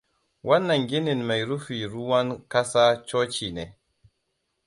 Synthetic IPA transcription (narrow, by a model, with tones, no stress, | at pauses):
wʔa˦nːa˨ŋɡi˦ni˨nma˨jɾu˦fi˨ɾu˦wa˦nka˦sa˦t͡ʃɔ˦t͡ʃi˨nɛ˨